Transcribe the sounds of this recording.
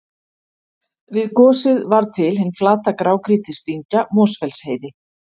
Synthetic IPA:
vɪðkɔːsɪðvaɾt̪ʰɪlhɪnːflaːt̪akɾaːwkɾiːt̪ɪst̪iɲcamɔːsfɛlsheːjðɪ

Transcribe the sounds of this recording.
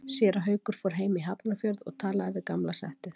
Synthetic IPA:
sjɛːɾaɦœːɥkʏɾ̥fɔɾ̥ɦeːjmiɦapnafjœɾðɔ̰ɣt̪ʰaːlaðɪvɪðkamlasɛ̰ht̪ʏ

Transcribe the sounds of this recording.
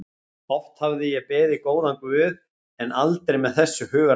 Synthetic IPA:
ɔht̪havðɪjɛpɛːðɪkoːwðankvʏːð | ɛnalt̪ɾejmɛðθɛsːʏhʏːɣa

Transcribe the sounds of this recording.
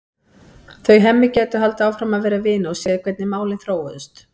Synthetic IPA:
θœɥɦɛmːɪcɛːt̪ʏɦalt̪aːwfɾamaðvɛːɾavɪːnaɔsjɛːðɪkʰvɛt̪nɪmaːwlɪnθɾoːwvʏst̪

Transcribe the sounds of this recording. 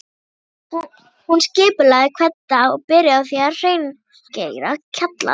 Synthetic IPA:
hunscɪːpʏlaɣðɪkʰvɛt̪ːaɔɣpɪɾjaaθiar̥eːjn | ceːjɾacʰat̪la̰

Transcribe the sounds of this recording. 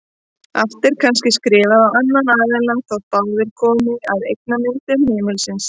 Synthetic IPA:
aft̪ɪɾ̥kʰanscɪskɾɪːvaðawanːanaːvɛlaθawt̪awvɪɾ̥kʰɔːmɪaðejk̚namɪnt̪ʏmhɪːmɪlsɪns

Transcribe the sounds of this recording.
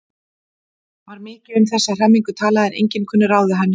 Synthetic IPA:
vaɾmɪːcɪʏmθɛsːaðr̥amːiŋkʏt̪ʰaːlaðɪnʔḛjɲcɪnkʰœnːʏɾaːwðɪɦanːɪ

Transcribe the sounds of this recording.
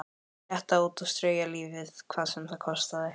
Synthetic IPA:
ɛht̪auːt̪ɔst̪ɾœːɥjaliːvɪðkʰv̥aːðsɛmθaðkʰɔst̪aðɪ

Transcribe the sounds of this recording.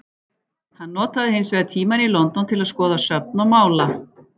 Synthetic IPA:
hanːɔːt̪aðɪhɪnsvɛðt̪ʰiːmanilɔnt̪ɔnt̪ʰɪlaðskɔːðasœp̚nɔmaːwla

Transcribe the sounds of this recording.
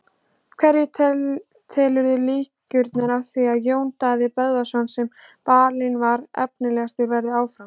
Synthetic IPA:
kʰvɛɾjɪ | t̪ʰɛːlʏɾðʏliːcʏɾt̪naɾawθviaðjoːwnt̪aðɪpœðvasɔnsɛmpaːɾlɪnvaɾɛ̰pnɪlɛɣast̪ɪɾvɛɾðɪaːwfɾam

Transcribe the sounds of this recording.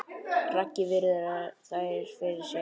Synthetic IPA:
racːɪvɪɾɪðɾaθaɾ̥fɪɾɪsɛ

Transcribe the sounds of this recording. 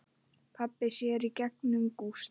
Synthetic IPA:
pʰapːɪsjɛɾicɛk̚nʏmkust̪

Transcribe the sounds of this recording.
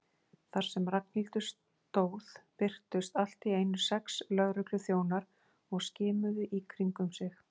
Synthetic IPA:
θaɾ̥sɛmrak̚n̥ilt̪ʏs | t̪oːwðpɪr̥t̪ʏst̪al̥t̪ieːjnʏ̥sɛkslœɣɾʏklʏθjoːwnaɾ | ɔɣscɪːmʏðʏʔikʰɾiŋkʏmsɪx

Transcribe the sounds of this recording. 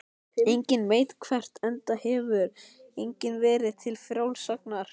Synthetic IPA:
ejɲcɪnmeːjt̪kʰvɛr̥t̪ɛnt̪ahɛːvʏɾejɲcɪnvɛːɾɪt̪ʰɪlfɾjawlsak̚naɾ̥

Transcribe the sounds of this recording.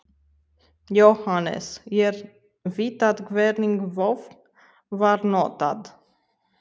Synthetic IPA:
jɔhɑnɛ̰sjɛɾ | vit̪ɑd̪ɡvɛɾniŋɡvɔf | vɑɾnɔːt̪ɑ̰d̪

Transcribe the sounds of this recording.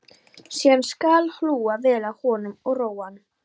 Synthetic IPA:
sianskalhluːavɛːlahɔːnʏmɔɣroːwan

